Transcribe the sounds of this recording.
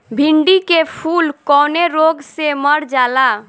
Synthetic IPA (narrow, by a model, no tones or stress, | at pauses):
bʱɪɳɖikepʰuːlkɔːneɾoɡseməɾd͡ʒaːla